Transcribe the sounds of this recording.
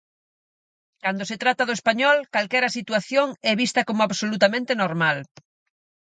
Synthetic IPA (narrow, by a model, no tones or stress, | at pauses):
kand̪oset̪ɾat̪aðʊespaɲɔlkalkɛɾasit̪waθjoŋɛβist̪ɐkomʊaβsolut̪amẽnt̪enoɾmal